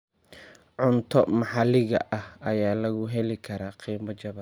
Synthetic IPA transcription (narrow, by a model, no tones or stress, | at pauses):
ʕʊnt̪ʰɔmɑħɑlɪɣɐ̰ʔɐhɐjaːlɐɣʊɦɛlɪkʰɐɾaːqiːmɔt͡ʃɐβɐ